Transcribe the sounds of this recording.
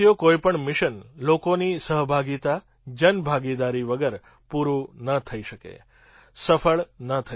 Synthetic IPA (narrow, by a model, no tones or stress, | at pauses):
ijokoipəɳmɪʃənlokonisəɦbʱaɡit̪a | d͡ʒənbʱaɡid̪aɾiʋəɡəɾ | puɾũnət̪ʰəiʃəkḛ | səfʰəɭnət̪ʰə